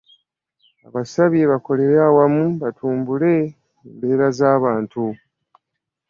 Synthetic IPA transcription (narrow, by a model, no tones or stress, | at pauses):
a̰βasaβjeβako̞le̞ɾaːwamuβatʰuːmbule̞ | embe̞ːɾazaːβaːntu